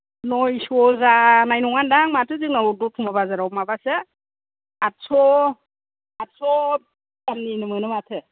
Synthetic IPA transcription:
nɔjsɔzanajnɔŋandaŋmatʰɯzɯknaɔdɔtʰumaβazaɾawmaβasɯ | atsɔ | atsɔ | damninɯmɯnɯmatʰɯ

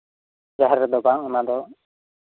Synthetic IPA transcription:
d͡ʒaɦɛɾɛd̪ɔbaŋɔnad̪ɔ

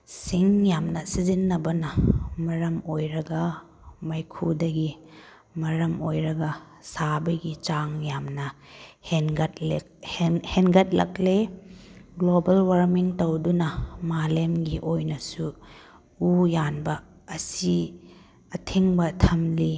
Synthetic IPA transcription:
siŋjamnɐsizinːɐbɐnɐmɐɾɐmojɾɐɡɐ | mɐjkʰudɐɡi | mɐɾɐmojɾɐɡɐ | sabɐɡit͡ʃaŋjamnɐhenɡɐt̚le | hhenɡɐt̚lɐ̰k̚le | ɡlobɐlwɐɾmiŋtɐwdunɐmalemɡiʔojnɐsu | ujanbɐː | si | ɐtʰiŋbɐtʰɐmli

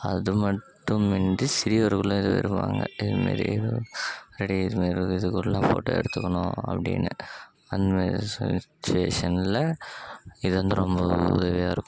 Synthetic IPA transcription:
ɐðɯmɐʈːɯmɛɳdɯsɪɾɪjɐʋɐɾɯɣɐɭʊ̃ɪðɯʋɛ̰ɾɯpːa̰ːŋɡɐ̰ɪðɯmḛːɾḭɪðɯɾɛɽiɪðɯmeːɾɪðɯkːɯllːãːpo̰ːʈːɐɛ̰ɽɯt̪ːɯkːɐɳʊ̃ɐ̰pːɐɽɪ̰nːɐ | ɐnd̪ɐmeːɾɾisɛnt͡ʃːeːʂɐnlɐ | ɪðɯʋɐnd̪ɯɾɔmbɐʊ̰ðɐʋɪjaːɪɾɯkːʊ̃

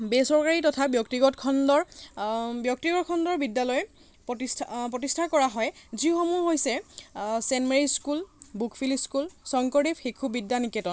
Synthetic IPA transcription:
besɔɹkaɹitɔtʰabjɔktiɡɔtkʰɔndɔɹ | bjɔk̚tiɡɔt̚kʰɔndɔɹbidːalɔjɛ | pɔtisʰpɹɔtistʰakɔɹaɦɔjziʊxɔmuɦojsɛsɛnmeɹiskulbukʰfʰiliskulsɔŋkɔɹipxekʰubidːanikɛtɔn

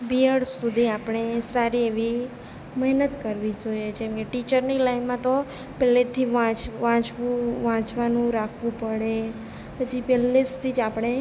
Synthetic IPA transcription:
biəɽsud̪ʱiapɳ̃esaɾieʋi | məɦnət̪kəɾʋid͡ʒojet͡ʃʰemkeʈit͡ʃəɾnilainmãt̪o | pɛlet̪ʰiʋãt͡ʃʋãt͡ʃʋũʋãt͡ʃʋanũɾakʰʋũpəɽe | pət͡ʃʰipɛlːest̪ʰid͡ʒapɽ̃e

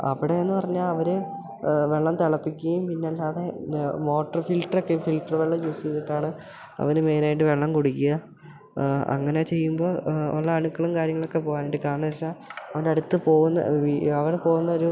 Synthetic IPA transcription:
ɐ̰ʋiɽe̞enːɨpɐrɐɲːaːɭɐʋɐɾɨ | ʋe̞ɭːɐmt̪eɭɐpːikʲːuɣɐjumpinːeɐlːaːðe̞mo̞ːʈːɐrfilʈrokːefilʈɐrʋeɭːɐmt͡ɕoːsit̪ːiʈːaːɳɨ | ɐ̰ʋɐnɨme̞ːnaːjiʈ̬ːɨʋe̞ɭːɐmkoɽukʲːijɐ | ɐ̰ŋːɐnet͡ɕe̞jːumbo̞ːo̰ɭːɐːɳukːɐɭumkaːɾjɐŋːɐɭokːe̞poːɣaːniʈːɖːɨkaːɳɨɐsaɐʋɐndɐɽut̪ːɨpo̞ːɣunːɐ̰iɐʋɐɾpo̞ːɣunːɐoɾu

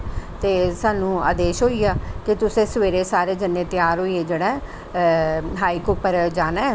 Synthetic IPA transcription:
t̪eːsaːnũːa̰ːd̪eːʃɦoːiːaːkɪt̪ʊsẽːsəʋeːɾeːsaːɾeːd͡ʒənːẽːt̪ɪjaːɾɦoːiːeːd͡ʒeːɽeː | ɦaːikʊpəɾd͡ʒaːnaː

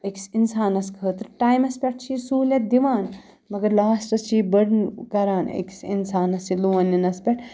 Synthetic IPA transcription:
əksinsaːnɐskʰəːt̪ɾʈaːjmɐspʲɐʈ̚ʰt͡ʃʰiːsuːlʲɐt̪̚d̪iʋaːn | mɐɡɐɾlaːsʈɐst͡ʃʰiːbəɽnkɐɾaːnḛksḭnsaːnɐsiluʋɐninɐspʲɐʈ

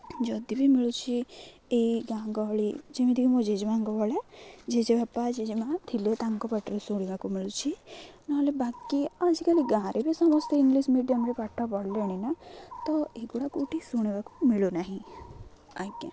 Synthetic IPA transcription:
d͡ʒɔd̪ibʱimiɭut͡ʃʰi | eiɡãɡɔɦɔɭid͡ʒemid̪ʱikimɔ̃d͡ʒed͡ʒmaŋɡɔbɔɭed͡ʒed͡ʒebapad͡ʒed͡ʒmãt̪ʰilet̪ãŋkɔpaʈeɾusuɽ̃ibakumiɭut͡ʃʰinaɦɔlebakiad͡ʒikaliɡãɾʔebisɔmɔst̪ʰɔiŋɡlismiɖijɔmɾepaʈʰɔpɔɽleɽ̃inat̪ɔeɡuɽakuʈisuɽ̃ibakumiɭunaɦĩ | aɡã̰

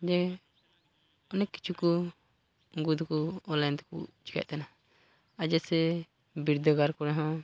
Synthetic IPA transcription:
d͡ʒɛ | ɔnɛkːi̥t͡ʃʰukɔ | ɡud̪kɔɔlant̪ɛ̥kṵt͡ʃi̥ka̰ʔ̚t̪ana | ad͡ʒɛsɛ | biɾd̪ɔɡaɾkɔɾɛɦɔ̃

